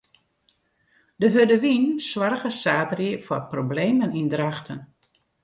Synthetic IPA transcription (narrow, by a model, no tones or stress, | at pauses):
dəɦødəʋinswarɣəsaːtərjəfɔprobleːmənindraxtʰən